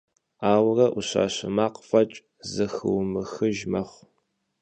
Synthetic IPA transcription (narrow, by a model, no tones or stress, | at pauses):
aːwrɐʔuɕa̰ːɕɪmaːqfɐt͡ʃʼ | zɨxɨ̰wmɨxɨʒmɐχʷ